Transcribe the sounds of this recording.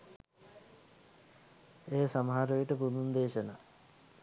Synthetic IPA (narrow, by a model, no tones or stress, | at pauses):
eːsɐmɦaːɾojuʈəpunund̪eːɕɐna